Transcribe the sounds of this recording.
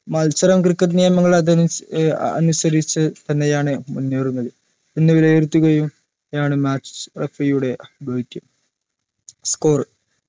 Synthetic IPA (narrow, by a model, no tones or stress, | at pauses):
mɐlt͡ɕɐɾɐmkrikːɐʈ̬nijɐmɐŋːɐɭɐðɐn | ɐ̰nusɐɾit͡ɕːɨt̪ɐnːe̞jaːɳɨmunːeːɾunːɐðɨ | enːeʋileːrt̪ːuɣɐjum | jaːɳɨmaːt͡ɕːrefɐjuɽe̞bɐːikʲːɐm | skoːr